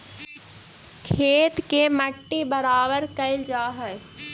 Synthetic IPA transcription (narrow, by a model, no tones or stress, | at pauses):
kʰeːt̪keməʈːibɐɾaːʋəɾkɐɪld͡ʒaːɦəe